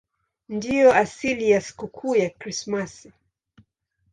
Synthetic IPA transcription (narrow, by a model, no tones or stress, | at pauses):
ndijɔasilijasi̥kukʰuːjakɾismasi